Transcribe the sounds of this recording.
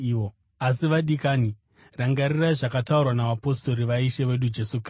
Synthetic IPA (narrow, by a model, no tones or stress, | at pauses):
o | asiʋaɗikaːni | raŋɡaɾiraiʐakataurwanaʋapo̞sto̞ɾiʋaiʃe̞ʋe̞ɗud͡ʒe̞sukr